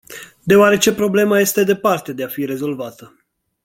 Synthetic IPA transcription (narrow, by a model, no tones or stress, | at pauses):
d̪e̞oaɾe̞t͡ʃe̞pɾo̞ble̞maje̞st̪e̞d̪e̞part̪e̞d̪e̞afiɾe̞zo̞lvat̪ə